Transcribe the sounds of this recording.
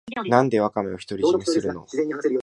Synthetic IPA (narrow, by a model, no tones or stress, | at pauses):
nãnd̪e̞βakameoçi̥t̪o̞ɾʲiɕimisɨɾɯno̞̰